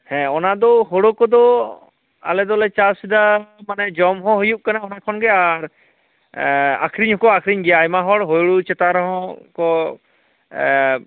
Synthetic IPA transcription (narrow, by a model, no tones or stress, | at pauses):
hɛ̃ɔnad̪ɔɦoɽokɔd̪ɔ | a̰lɛd̪ɔlɛt͡ʃasid̪amanɛd͡ʒɔmɦɔ̃ɦujuʔ̚kanaɔnakʰɔnɡɛaɾ | a̰kʰɾiɲhɔkɔakʰɾiɲɡɛjaːjmaɦɔɽɦojɽut͡ʃɛt̪aɾɔɦɔ̃kɔ